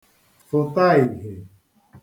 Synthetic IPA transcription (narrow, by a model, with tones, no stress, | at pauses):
fʊ˨ta˦i˨ɦe˨